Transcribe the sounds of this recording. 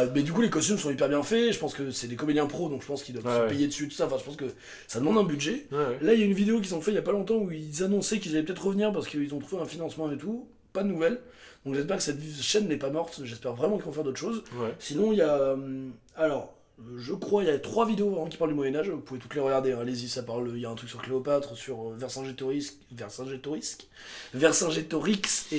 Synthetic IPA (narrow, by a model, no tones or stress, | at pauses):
mɛd̪ykulekɔst̪ymsɔ̃ipɛʁbjɛ̃fɛʒəpɑ̃skəsɛd̪ekɔmed̪iɛ̃pχod̪ɔ̃kʒə̥pɑ̃skild̪wavpejed̪əsyet̪u̥saɑ̃fɛ̃ʒəpɑ̃skə | sad̪əmɑ̃d̪ɛ̃byd̪ʒɛlailjaynvid̪eok̬ʲizɔ̃fɛiljapalɔ̃t̪̬ɑ̃uilzanɔ̃sɛkilzalɛpət̪ɛt̪χəʁəvniʁpaʁsə̥kəilzɔ̃t̪χuveɛ̃finɑ̃smɑ̃et̪u | pad̪ənuvɛl | d̪ɔ̃kʒɛs̬pɛʁkə̥sɛt̪ʃɛnːɛpamɔʁt̪mɛʒɛspɛʁvʁɛmɑ̃kilvɔ̃fɛʁd̪ot̪χʃozwɛsinɔ̃iljam | alɔʁ | ʒəkχwailjat̪χwavid̪eovʁɛmɑ̃kʲi̥pald̪ymwajɛnaʒpuvɛt̪ut̪leʁəɡaʁd̪eɛ̃alezisapaʁløijaɛ̃t̪χyksyʁkleɔpat̪χəsyʁøvɛʁsɛ̃ʒet̪oʁiskvɛʁsɛ̃ʒet̪oʁiskvɛʁsɛ̃ʒet̪ɔʁikse